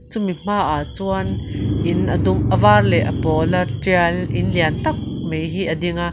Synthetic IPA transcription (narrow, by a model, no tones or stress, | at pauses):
t͡sumim̥aːʔat͡suɐnʔɪnʔɐd̪ʊmʔɐvaːrlɛʔɐpɔːlɐʈ͡ʂiɐlʔɪnliɐnt̪ɐk̚mejɦiʔɐdiŋa